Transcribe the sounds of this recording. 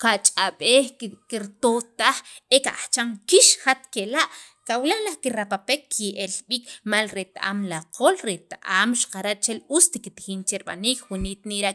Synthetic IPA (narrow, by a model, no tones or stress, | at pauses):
kat͡ʃʼaɓeːχkiɾt̪ot̪aχekaʔaχt͡ʃaŋkiʃχat̪kelaʔ | kawlalaχkiɾapapekːjeʔelɓiːkmalɾet̪aʔa̰mlaqʰolɾet̪aʔaːmʃḁqaɾaʔt͡ʃelust̪ikit̪ixiːnt͡ʃeɾiɓa̰niːkwuniːt̪niɾa